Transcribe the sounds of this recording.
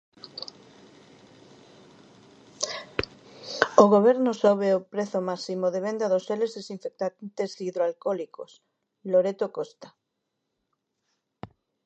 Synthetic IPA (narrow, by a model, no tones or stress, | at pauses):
oɣoβ̞eɾnosoβ̞eopɾeθomasimoðeβend̪aðoselezðesiɱfek̚t̪ant̪esiðɾoalkɔlikos | loɾet̪okost̪ḁ